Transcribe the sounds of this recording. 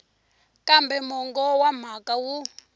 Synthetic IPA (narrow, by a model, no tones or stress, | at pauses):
kambɛmɔŋɡɔwam̤akawu